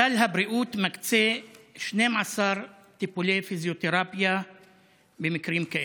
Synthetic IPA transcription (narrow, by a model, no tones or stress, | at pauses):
aːlɦabɾiʔuːt̪makt͡seʃneːmʕasɑɾˤ | t̪ipulefizjot̪eɾɑːpja | bemɪkɾiːmkaʔ